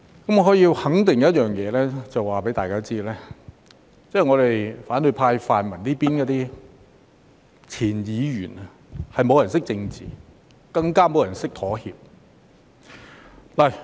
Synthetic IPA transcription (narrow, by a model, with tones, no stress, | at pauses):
kɐ˨˥mɔ˨˧ɦɔː˨˥jiː˧whɐ˨˥ŋt̪ɪ˨ŋjɐ˥t̚jœː˨ŋjɛː˨˧lɛː˥t͡sɐ˨waː˨pe˨˥jt̪aː˨jkaː˥t͡siː˥lɛː˥ | t͡sɛː˥˩˨ŋɔː˨˧ɾe˨jfaː˨˥nɵ˨˧jpʰaː˧jfaː˨nmɐ˨˩nliː˥piː˥nkɔ˨˧˥t̪iː˥ | t͡sʰiː˨˩njiː˨˧jyː˨˩nɐ˨ | hɐ˨jmo˨˧wjɐ˨˩nsɪ˥k̚t͡sɪ˧ŋt͡sḭː˨ | kɐ˧ŋkaː˥mo˨wjɐ˨˩nsɪ˥k̚t̪ʰɔː˨˥hḭː˧p̚ | lɐ˨˩